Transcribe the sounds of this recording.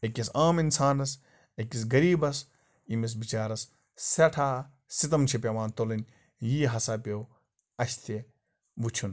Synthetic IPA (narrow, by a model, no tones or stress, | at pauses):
ekʲɐsaːminsaːnɐs | ekʲis̬ɡɐɾiːbɐs | imis̬bit͡ʃaːɾɐs | sɐʈʰaː | sit̪ɐmt͡ʃʰipʲɐʋaːnt̪olɐnʲ | jiːɦɐsaːpʲew | ɐʃt̪ʰe | but͡ʃʰun